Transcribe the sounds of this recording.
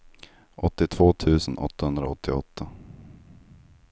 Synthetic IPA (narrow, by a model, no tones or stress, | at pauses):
ʔɔt̪ːɪt̪ʰv̥oːt̪ʰʉ̟ːsənʔɔ̰t̪ːahɵnd̪ɾaɔt̪ʰːɪɔ̰t̪ʰːa